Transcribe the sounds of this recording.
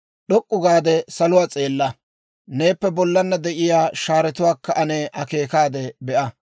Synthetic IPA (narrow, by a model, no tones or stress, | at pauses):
ɗɔkʼːʊɡaːd̪ɛsɐlʊwaːt͡sʼe̞ːlːɐ | ne̞ːpːɛbɔlːɐnːɐd̪ɛʔɪjaːʃaːɾɛt̪ʊwaːkːɐʔɐneːʔɐke̞ːkaːd̪ɛbɛʔɐ